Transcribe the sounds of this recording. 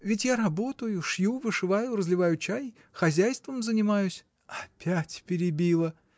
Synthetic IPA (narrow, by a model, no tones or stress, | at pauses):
vʲɪtʲjaɾɐbo̞t̪əjʊʂjuvɨʂɨvajʊrəzlʲɪvajʊt͡ɕaj | xɐzʲæjst̪vəmzənʲɪmajʊsʲ | ɐpʲætʲpʲɪɾʲɪbʲilˠə